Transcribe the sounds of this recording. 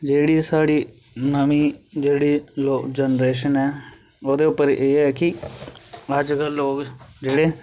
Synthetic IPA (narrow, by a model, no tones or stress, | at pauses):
d͡ʒeːɽiːsaːɽiː | nəmiːd͡ʒeːɽiːloːkd͡ʒənɾeːʃənɛː | oːd̪eːʊpːəɾʔeːɛːkɪ | əd͡ʒkəlːoːkd͡ʒeːɽeː